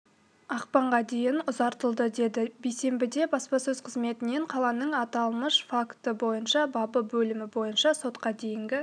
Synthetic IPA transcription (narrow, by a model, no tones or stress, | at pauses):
ɑq̚pɑɴʁɑd̪e̞jɪnʊzɑɾt̪əlˠd̪əd̪e̞d̪ɪbejse̞mbɪd̪e̞bɑspɑsɵzqʰəzme̞t̪ɪne̞ɴqʰɑlˠɑnəɴɑt̪ɑlˠməʃfakt̪əbo̞jənʃɑbɑbəbɵlɪmɪbo̞jənʃɑso̞t̪qɑd̪e̞jɪŋɡʲɪ